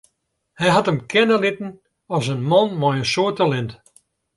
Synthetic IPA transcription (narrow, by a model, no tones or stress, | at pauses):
hɛjɦɑtəmkʰɛnəlɪtn̩ | ɔsənmɔnmɔjənsoətəlɪnt